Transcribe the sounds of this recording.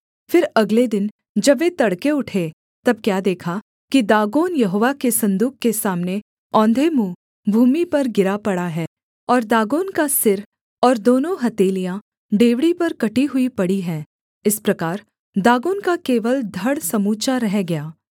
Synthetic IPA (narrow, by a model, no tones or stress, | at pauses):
fɪɾɐɡled̪ɪn | d͡ʒɐbʋet̪ɐɽkeʊʈʰe | t̪ɐb̚kjaːd̪eːkʰa | kid̪aːɡoːnjɐɦoːʋakesɐ̃nd̪uːkkːesaːmne | ɔ̃ːnd̪ʱemuː | bʱuːmipɐɾɡɪɾapɐɽaɦɛː | ɔːɾd̪aːɡoːnkasɪɾ | ɔːɾd̪oːnõɦɐt̪eːlijã | ɖeːʋɽipɐɾkɐʈiɦʊipɐɽiɦɛː | ɪspɾɐkaːɾ | d̪aːɡoːnkakeːʋəld̪ʱɐɽsɐmuːt͡ʃaɾɛɦɡɐjaː